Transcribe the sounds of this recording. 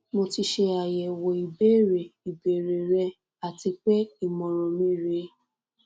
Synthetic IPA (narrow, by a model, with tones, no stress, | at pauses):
mo˧ti˧ʃe˧a˨jɛ˨wɔ˨i˨be˦˨ɾe˨i˨be˨ɾe˨ɾɛ˧ | a˨ti˧k͡pɛ˦i˨mɔ̃˨ɾ̃ɔ̃˨mĩ˦˨ɾe˧˦